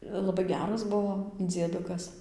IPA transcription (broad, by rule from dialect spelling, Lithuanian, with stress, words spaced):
lˠɐˈbɐɪ ˈɡʲæːrɐs ˈbʊʋoː d͡zʲiɛˈdʊkɐs